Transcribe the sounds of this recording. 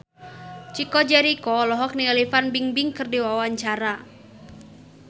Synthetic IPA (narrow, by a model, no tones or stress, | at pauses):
t͡ʃikɔd͡ʒɛɾikɔlɔɦɔk̚nialifanbiŋbiŋkɨrdiwawaɲt͡ʃaɾa